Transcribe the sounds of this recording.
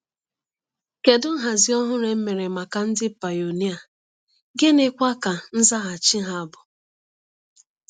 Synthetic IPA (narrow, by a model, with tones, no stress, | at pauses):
ke˨dʊ˦ŋ̩˦ɦa˨zi˦ɔ˦ɦʊ˦ɾe˨m̩˦me˨ɾe˨ma˨ka˨n̩˦dɪ˦pa˨jo˨ni˦a˨ | ɡɪ˦ne˦kʷa˦ka˨n̩˦za˦ɦa˨t͡ʃi˦ɦa˦a˦˨bʊ˨